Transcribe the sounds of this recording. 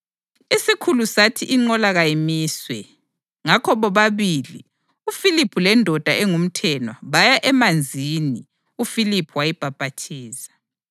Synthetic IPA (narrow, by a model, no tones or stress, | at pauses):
isikʰulusatʰiʔiŋ͡ǃɔlaɣajimiːswɛ | ŋakʰɔβɔβaβilḭ | ufilipʰulɛndʱɔd̥ʱaʔɛŋum̩tʰɛnwaβajaʔɛmand͡zʱini | ufilipʰuwajib̥ʱab̥ʱatʰiːsḁ